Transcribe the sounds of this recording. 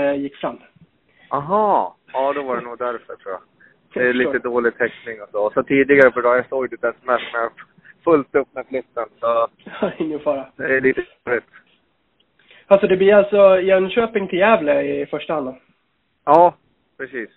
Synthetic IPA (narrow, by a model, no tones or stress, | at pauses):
jɪkːsanː | aɦɑːɑːd̪ɛvaɖɛnuːɡd̪æɾfœʈʰɾuːja̰ | d̪ɛliːt̪əd̪oːlɪɡ̚t̪ʰɛknɪŋɔsɔsɔt̪ʰiːd̪ɪɡaɾəpɔd̪ɑːjasoːɡd̪ɛd̪ɛsɔmɛst̪mɛa | fɵlt̪ɵp̚ːnaflɪt̪ːənsɔɪnjəfɑːɾad̪ɛæɭiːt̪ə | ɾɪt̪ | alsɔd̪ɛblɪalsɔjɛnɕøːpɪŋt̪ʰɪljɛːvləɪfœʂʈahand̪ən | ɑː | pʰɾɛsiːs